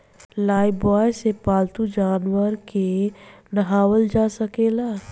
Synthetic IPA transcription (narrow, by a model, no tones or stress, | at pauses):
laːibɔːjsepaːlt̪ud͡ʒaːnwəɾkenɐɦaːwəld͡ʒaːsəkeːlaː